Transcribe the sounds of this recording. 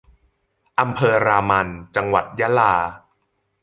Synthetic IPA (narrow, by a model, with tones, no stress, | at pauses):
ʔa˧mpʰɤː˧ɾaː˧ma˧nt͡ɕa˧ŋwa˨˩t̪̚ja˦˥laː˧